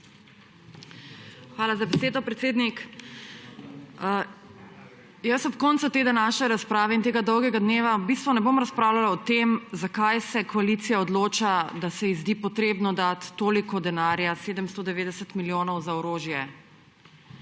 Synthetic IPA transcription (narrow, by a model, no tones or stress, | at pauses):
xʋaːlazabɛseːd̪ɔpɾɛt̪seːd̪nik | jəsɔpkɔntsut̪ed̪anaʃɛɾaspɾaːʋɛint̪eːɡad̪ɔwɡɛɡad̪neːʋabist̪ʋɔnɛbomɾaspɾaːwlalaɔt̪emzakajsɛkɔaliːt̪sijaɔd̪loːt͡ʃad̪asɛizd̪ipɔt̪ɾeːbnɔd̪at̪ːoːlikɔd̪ɛnaːɾjaseːd̪əmst̪od̪ɛʋeːd̪ɛsət̪miljoːnɔwzaɔɾoːʒjɛ